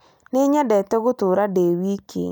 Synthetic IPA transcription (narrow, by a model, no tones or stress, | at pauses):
neɲɛdɛtɛɣotoɾadewikʰḛ